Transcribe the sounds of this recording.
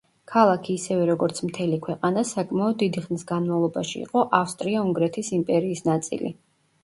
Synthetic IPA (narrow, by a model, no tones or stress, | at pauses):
kʰalˠakʰiːsɛvɛɾɔɡɔɾt̪sʰmt̪ʰɛlikʰwɛqʼanasakʼmaɔd̪ːid̪iχnisɡanmavlˠɔbaʃḭːqʼɔʔafst̪ʼɾiauŋɡɾɛt̪ʰisimpʼɛɾiːsnat̪sʼḭlḭ